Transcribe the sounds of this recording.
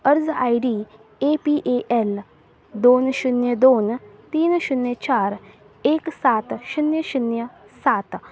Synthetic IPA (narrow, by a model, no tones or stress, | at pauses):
əɾzaːiɖiː | eːpiːʔeʔɛl | d̪oːnʃunjəd̪oːnt̪iːnʃunjət͡ʃaːɾ | eːksaːt̪ʃunjəʃunjə | saːt̪